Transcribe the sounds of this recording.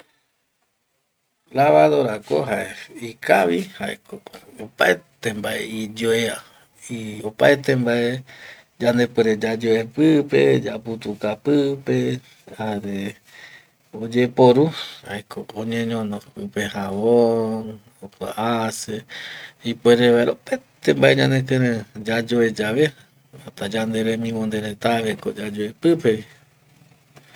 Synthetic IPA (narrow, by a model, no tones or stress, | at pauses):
laβaðo̞ɾako̰ɦaeikaβihaʔekoopaet̪embaḛid͡ʒoea | iopaet̪embae | d͡ʒãnd̪epeɾed͡ʒad͡ʒoepɨpḛd͡ʒaput̪ukapɨpe̞ | haɾe | od͡ʒepoɾuaekʰoõɲẽɲõnõɨpehaβon | okwa̰ʔaseipweɾeβaeɾopet̪ẽmbaeɲã̰nekeɾẽd͡ʒad͡ʒoed͡ʒaβe | ot̪ad͡ʒand̪eɾemĩmond̪eɾet̪aβeko̰d͡ʒad͡ʒoepɨpeβi